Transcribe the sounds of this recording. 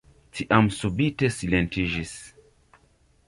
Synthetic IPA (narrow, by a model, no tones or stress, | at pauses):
tʰiʔamsubite̞silentid͡ʒis